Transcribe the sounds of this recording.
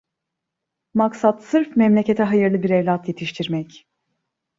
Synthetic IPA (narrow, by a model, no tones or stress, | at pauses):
maksat̪sɯɾfmɛmlʲe̞cʰe̞t̪ʰɛɦajɯɾlˠɯbiɾevlʲat̪je̞t̪ʰiʃt̪ʰiɾmɛc